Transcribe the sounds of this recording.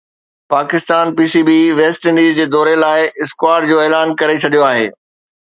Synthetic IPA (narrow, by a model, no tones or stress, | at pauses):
paːkɪst̪aːnpiːsibiʋeːsʈɪ̃ɳɖiːzd͡ʑeːd̪ɔːɾelaːɪɪskwaːɾɖd͡ʑoːeːlaːnkɐɾet͡ɕʰɐɗijoaːɦḛː